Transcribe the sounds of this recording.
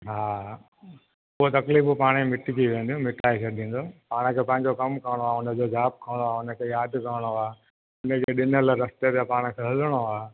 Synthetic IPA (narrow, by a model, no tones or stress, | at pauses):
ɦaː | ʊɦot̪ɐkliːfpaːɽ̃imɪʈɪt̪ʰiʋẽːnd̪jũmɪʈʰaːekɐɗĩːn̆d̪oːpaːɽ̃əkʰeːpɐ̃ɦɪ̃ɲd͡ʑokɐmkɐʋɽ̃oaːʊnə̃d͡ʑod͡ʑaːp̚kɐʋɽ̃oaːʊnə̆kʰeːjaːd̪kɐəɽ̃oaː | ʊnəd͡ʑeɗɪnəlɾɐst̪et̪epaːɽ̃ə̆kʰeːɦɐləɽ̃oaː